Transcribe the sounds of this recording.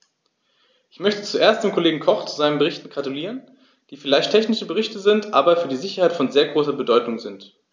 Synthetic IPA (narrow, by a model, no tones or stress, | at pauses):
ʔɪçmœçtə̥t͡suʔeːɐst̚d̥eːmkʰoleːɡŋ̩kʰɔχt͡su̥zaɪnənbəʁɪçtn̩ɡʁatuliːʁən | d̥iːfɪlaɪçtʰɛçnɪʃəbəʁɪçtəzɪntʔa̰ːbɐfyːɐdiːzɪçɐhaɪtfɔnzeːɐɡʁoːsɐbədɔʏtʊŋzɪnt